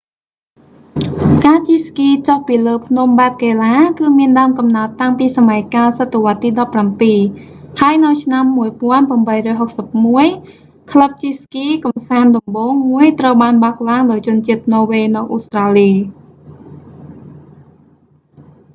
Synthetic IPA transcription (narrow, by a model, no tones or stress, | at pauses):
kaːt͡ɕiskiːt͡ɕohpiːləːpʰnumɓaɛp̚keːlaːkɨːmiənɗaəmkɑmnaət̪ːaŋpiːsamajkaːsət̪ːeʋŏət̪ːiːɗɑpːrampiːhaəjnɨwt͡ɕʰnamːuəjpŏənpramɓəjrɔːjɦok̚səp̚muəj | kʰləp̚t͡ɕiskiːkɑmsaːnɗɑmɓoːŋmuəjt̪rəwɓaːnɓak̚laːŋɗaɔjt͡ɕʊ̆ənt͡ɕiət̪̚nɔːʋeːnɨwʔost̪raːliː